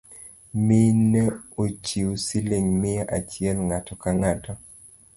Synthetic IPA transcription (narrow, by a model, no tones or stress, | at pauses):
minɛot͡ʃiwosileŋmɪaʔat͡ʃɪɛlŋatɔkaŋatɔ